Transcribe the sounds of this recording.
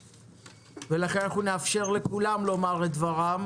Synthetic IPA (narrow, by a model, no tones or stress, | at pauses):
velaχe̞nχuneafʃe̞ʁle̞kulamlo̞maʁled̪vaʁam